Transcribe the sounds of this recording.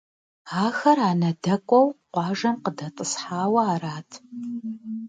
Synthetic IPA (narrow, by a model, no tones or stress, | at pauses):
aːxɐraːnɐdɐkʷʼɔwqʷɑːʒɐmqədɐt͡sʼɨsħaːwɐaːraːtʰ